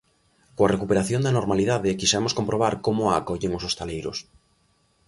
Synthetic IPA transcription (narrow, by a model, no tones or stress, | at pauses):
koarekupeɾaθjond̪ɐnoɾmaliðaðekisɛmʊskompɾoβ̞aɾkomʊa̰kɔʎeŋʊsost̪alejɾʊ̰s